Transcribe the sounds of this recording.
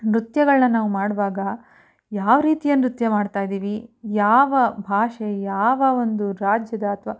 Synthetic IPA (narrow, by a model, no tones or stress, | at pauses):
ɾut̪jɐɡɐɭnɐnaːʋumaːɽʋaːɡɐ | jaːʋɐɾiːt̪ijɐnɾut̪jɐmaːɖt̪aːjd̪iːʋijaːʋɐbʱaːʂejaːʋɐo̞nd̪uɾaːd͡ʒjɐd̪ɐːt̪ʰʋaː